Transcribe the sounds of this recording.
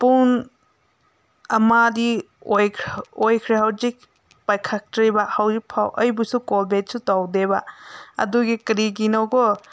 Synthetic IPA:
pun | ɐmadi | ojʰojkʰɾeɦawzik̚ | pajkʰak̚tɾibahawzipʰawʔɐjbusukolbet̚sutawdebaɐ̰duɡikɾiɡinowɡɔ

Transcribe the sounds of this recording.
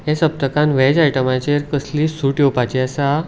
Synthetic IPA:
jẽsəp̚t̪əkãnʋɛd͡ʑajʈəmat͡ɕeɾkəsliːsuʈjowpat͡ɕiəsa

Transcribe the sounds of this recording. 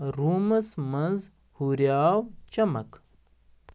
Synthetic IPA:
ɾuːmɐsmɐnz | huɾjaːwt͡ɕɐmɐ̰k

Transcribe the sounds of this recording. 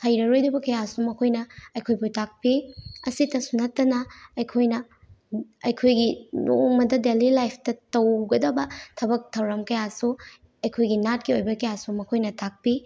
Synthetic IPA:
hɐjɾɐɾojdɐbɐkɐjasumɐkʰojnɐɐjkʰojbutak̚piɐsitɐsunɐtːɐnɐɐjkʰojnɐ | ɐjkʰojɡinoŋmɐdɐdelilajpʰtɐtɐwɡɐdɐbɐtʰɐbɐk̚tʰɐwɾɐmkɐjasu | ɐjkʰojɡinat̚kiojbɐkɐjasumɐkʰojnɐtʰak̚pi

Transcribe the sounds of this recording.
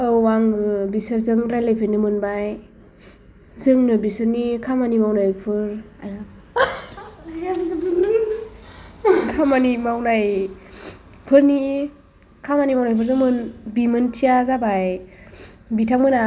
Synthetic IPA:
ɯwwaŋɯbisɯɾzɯŋɾajlajpʰenɯmɯnbaj | zɯŋnɯbisɯɾnikʰamanimawnajpʰɯɾ | aja | kʰamanimawnaj | pʰɯɾni | kʰamanimawnajpʰɯɾzɯmɯnbimɯntʰijazabaj | bitʰaŋmɯna

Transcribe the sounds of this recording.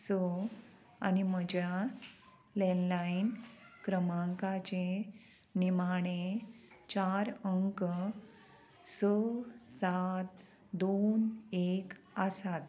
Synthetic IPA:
sə | a̰nim̤əd͡ʑja | lɛnlainkɾəmãŋkat͡ɕe | nimaɽ̃et͡ɕaɾəŋk | səsat̪̚ | d̪onek | əsat̪

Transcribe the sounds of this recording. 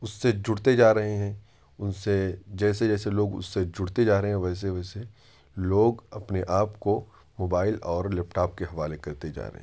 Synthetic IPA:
ʊsːed͡ʒʊɽt̪ed͡ʒaːɾɐɦeɦɛ̃ː | ʊnsed͡ʒɛːsed͡ʒɛːseloːɡʊ̰sːed͡ʒʊɽt̪ed͡ʒaːɾɐɦeɦɛ̃ʋɛːs̬eʋɛːse | loːɡɐpneʔaːpko | moːbaːɪlɔːɾlɛːpʈaːp̚keɦɐʋaːlekɐɾt̪ed͡ʒa̰ːɾɐ̰ɦḛ̃

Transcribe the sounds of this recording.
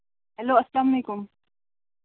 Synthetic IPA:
hælːoːʔaslamːikʊm

